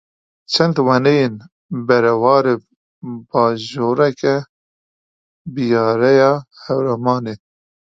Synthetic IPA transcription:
t͡ʃʰɛnd̪wɛnejen | bɛɾɛwɑːɾe | bɑːʒoːɾɛkɛ | bijɑːɾɛjɑːhɛwɾɛmɑːneː

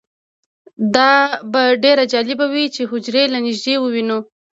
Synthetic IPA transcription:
d̪ɑbaɖeɾad͡ʒɑlɪbawit͡ʃeɦʊd͡ʒɾelanɪʒd̪ewəwino

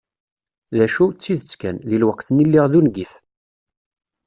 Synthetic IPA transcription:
ðæʃut͡sːiðət͡sːkænðilwəqθənilːiʁðunɡiθ

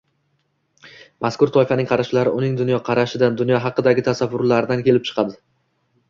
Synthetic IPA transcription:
mʔaskʊɾt̪ʰɒɪfanɪŋqʰɑɾaʃlaɾɪʔʊnɪŋd̪ʊnjɒqʰɑɾaʃɪd̪and̪ʊnjɒɦɑqɨd̪aɡʲɪt̪ʰasavːʊɾlaɾɪd̪ankʲʰe̞lɪp̚t͡ʃʰɨ̥qʰɑd̪ɪ

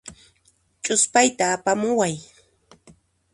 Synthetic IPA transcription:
t͡ʃʼʊspajt̪aːpamʊwaj

